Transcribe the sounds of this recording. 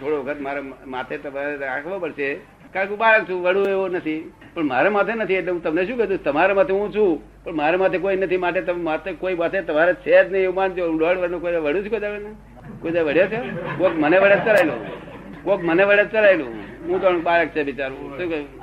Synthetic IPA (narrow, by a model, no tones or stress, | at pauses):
t̪ʰoɽoʋəkʰət̪maɾemat̪ʰet̪əmaɾeɾakʰʋãpəɽʃe | kakeuɓaɭək̚t͡ʃʰũʋəɽueʋonət̪ʰi | pəɳmaɾemat̪ʰenət̪ʰieʈleũt̪əmneʃũkɛd̪ũ̥t̪əmaɾemat̪ʰeũt͡ʃʰũ | pəɳmaɾemat̪ʰek̬oinət̪ʰimaʈ̬et̪əat̪ʰekoiʋat̪ʰet̪əmaɾet͡ʃʰet̪nəiumand͡ʒeũɖɔɽʋənokoʋəɽũt͡ʃʰkoid̪akən | koid̪aʋəɽjat͡ʃʰekokməneʋəɽed͡ʒt͡ʃəlajlo̰ | kokməneʋəɽet͡ʃəlailṵ̃ɦũt̪anũɓaɭək̚t͡ʃʰeʋɪt͡ʃaɾũt̪õk